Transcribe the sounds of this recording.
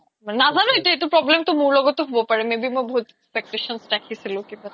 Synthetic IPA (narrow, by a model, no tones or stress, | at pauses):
manazanoeʈaeʈupɾɔblemt̪omuɾlɔɡot̪oɦubopaɾemebimojboɦut̪ekspek̚ʈeʃɔnsʈakʰɦisilokint̪a